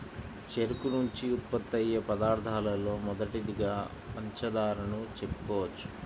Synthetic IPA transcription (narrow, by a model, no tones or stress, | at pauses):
t͡ʃeɾukunuɲt͡ʃiut̪̚pɐt̪ːɐjːɐpɐd̪aːɾd̪ʰʱaːlɐlo̞ːmɔd̪ɐʈid̪iɡaː | ɐɲt͡ʃɐd̪aːɾɐnut͡ʃepːu̥kɔːʋɐt͡ʃːu̥